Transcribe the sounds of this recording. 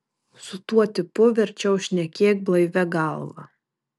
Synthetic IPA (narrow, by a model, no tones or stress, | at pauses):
sʊt̪uɔt̪ʲɪpʊʋʲɛɾʲt͡ʃʲɛʊʃʲnʲɛkʲeːk̚blˠɐɪʋʲɛɡɑˑlˠʋɐ̰